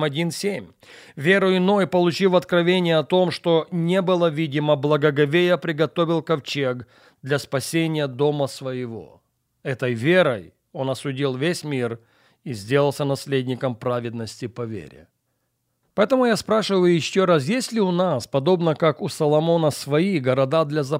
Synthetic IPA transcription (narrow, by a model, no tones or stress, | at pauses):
mɐdʲinsʲemʲ | vʲe̞ɾʊɪno̞jpəlˠʊt͡ɕilˠɐt̪kɾɐvʲenʲɪjəɐt̪o̞mʂt̪o̞nʲebɨlˠəvʲidʲɪməblˠɐɡəɡɐvʲejəpɾʲɪɡɐt̪o̞vʲɪlˠkɐft͡ɕek | d̪lʲɐspɐsʲenʲɪjəd̪o̞məsvəjɪvo̞̰ | ɛt̪əjvʲe̞ɾəj | o̞nɐsʊdʲilˠvʲesʲmʲir | izʲdʲe̞lˠəlˠsʲənɐsʲlʲedʲnʲɪkəmpɾavʲɪd̪nəsʲtʲɪpɐvʲḛɾʲɪ̰ | pɐɛt̪əmʊjaspɾaʂɨvəjʊjɪɕːoɾasjesʲlʲɪʊnaspɐd̪o̞bnəkakʊsɐlˠɐmo̞nəsvɐiɡɐɾɐd̪ad̪lʲɐzɐ